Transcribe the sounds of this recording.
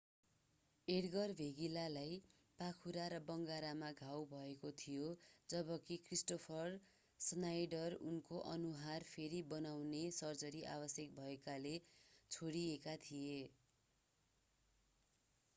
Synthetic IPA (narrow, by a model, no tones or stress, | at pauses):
eɽɡʌrbʱeɡilalaj | pakʰuɾaɾʌbʌŋɡaɾamaɡʱawbʱʌekot̪ʰijod͡zʌbʌkikrisʈopʰʌr | snajɖʌrṵnkoʔʌ̰nuɦarpʰeɾibʌnawnesʌrd͡zʌɾiʔa̰bʌsjʌk̚bʱʌekalet͡sʰoɽiekat̪ʰije